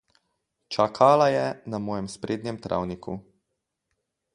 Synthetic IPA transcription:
t͡ʃakʰalajɛnamɔːjɛmspɾeːd̪njɛmt̪ɾa̰wnikʰṵ

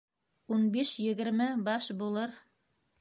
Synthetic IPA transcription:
unbiʃjɘ̆ɡɘ̆ɾmɘbɑʃbulˠɤɾ

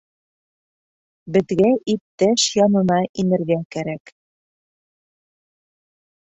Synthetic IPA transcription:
bɘ̆ðɡæʔip̚t̪æʃjɒnɤ̆nɑʔinɘ̆ɾɡækæɾæk

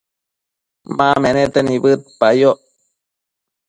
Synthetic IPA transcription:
mamenet̪enibɨt̪̚pajoʔ

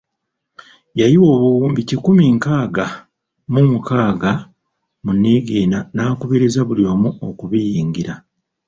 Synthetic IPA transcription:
jajiwo̞ːβuwuːmbicikumiːŋkaːɡa | mumukaːɡa | munːiɡiːnanaːkuβeɾezaβulio̞ːmuokuβijiːŋɡiɾa

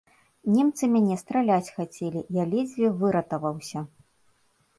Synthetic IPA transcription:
nʲɛmt̪sɨmʲanʲɛst̪ɾalʲat͡sʲxat͡sʲelʲijalʲɛd͡zʲvʲivɨɾɐt̪ɐvɐwsʲɐ

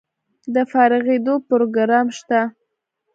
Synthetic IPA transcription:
d̪əfɑɾɪɣed̪opɾoɡɾɑmʃt̪a

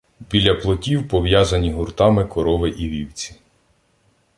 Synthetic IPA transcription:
bʲilʲːɐplˠɔtʲiwpɔʋjazɐnʲiɦʊrt̪ɑmɪkɔɾɔʋɪʔiʋʲiwt͡sʲi̥

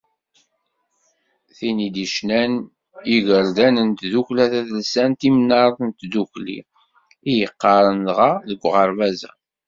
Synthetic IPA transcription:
θinid̪iʃnæn | iʝəɾd̪ænənt̪ðuklæθæθlsænt̪imnɑɾˤðənt̪d̪uçlḭ | ijəqːɑɾˤənlʁɑðəɡʷːʁəɾˤvæzæ̰

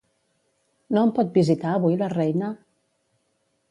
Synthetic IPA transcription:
nompɔt̪̚bizit̪aəβujlərɛjnə

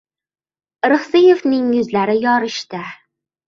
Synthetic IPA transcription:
ɾɨχsɪjefnɪŋjɵzlaɾɪjɒɾɪʃt̪ɪ

